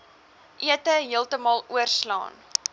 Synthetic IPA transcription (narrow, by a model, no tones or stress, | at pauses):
ʔiətəɦiəlˠtəmɑːlˠuərslɑ̰ːn